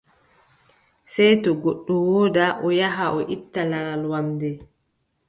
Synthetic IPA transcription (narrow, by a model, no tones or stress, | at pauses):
sɛjtɔɡoɗːuwɔːdaʔɔjaɦaʔɔʔitːalaɾalwamdɛ